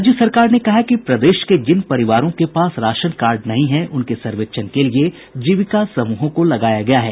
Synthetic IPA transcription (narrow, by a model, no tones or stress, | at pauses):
d͡ʒjəsɐɾkaːɾnekɐɦakipɾɐd̪eːʃked͡ʒɪnpɐɾɪʋaːɾõkepaːsɾaːʃənkaːɾɖnɐɦĩɦɛ̃ʔʊnkesɐɾʋekʃʰənkelie | d͡ʒiʋɪkasɐmuːɦõkolɐɡaːjaɡɐjaɦɛː